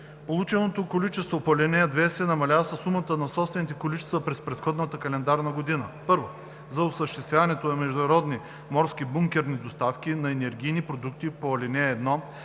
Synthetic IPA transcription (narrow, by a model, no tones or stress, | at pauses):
polˠut͡ʃɛnot̪okolit͡ʃɛst̪vopoɐlʲɛnɛɐd̪vɛsɛnɐmɐlʲavɐsɐsːumɐt̪ənɐsɔpst̪vɛnit̪ɛkolit͡ʃɛ̥st̪vəpɾɛspɾɛt̪xɔd̪nɐt̪əkɐlɛnd̪aɾnɐɡod̪inəpɤɾvo | zɐosəʃt̪ɛst̪vʲavɐnɛt̪onɐmɛʒd̪ʊnɐɾɔd̪ni | mɔɾskʲibuŋkʲɛɾnid̪ost̪afk̟ʲinɐɛnɛɾɡʲijnipɾod̪ukt̪ipoɐlʲɛnɛːd̪nɔ